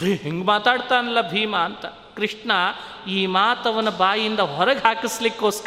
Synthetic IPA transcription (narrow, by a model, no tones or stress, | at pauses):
ɦeŋɡmaːt̪aːɽt̪aːnɐlːɐbʱiːmɐːnt̪ɐ | kɾɪʂɳɐ | iːmaːt̪ɐʋɐnːɐbaːjind̪ɐɦɔɾɐɡɦaːkislikːoːsk